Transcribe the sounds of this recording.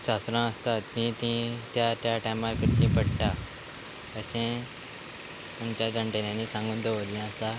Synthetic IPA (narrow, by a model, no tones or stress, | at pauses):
ɕast̪ɾãəst̪at̪ːĩt̪ĩt̪jaʈjaʈamaɾkəɾt͡ɕĩːpəɽʈa | kəɕẽ | mũnt͡ɕ̪jad͡zə̃ɳʈeljãniːsãŋɡuːnd̪əʋoɾlɛ̃əsa